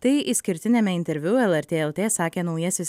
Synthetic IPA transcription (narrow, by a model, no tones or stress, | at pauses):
t̪ɐɪisʲkʲɪɾʲt̪ʲɪnʲɛmʲɛɪnʲt̪ʲɛɾʲʋʲʊɛlˠɛɾʲt̪ʲeːɛlˠt̪ʲeːsɑːkʲeːnɒʊjɛsʲɪs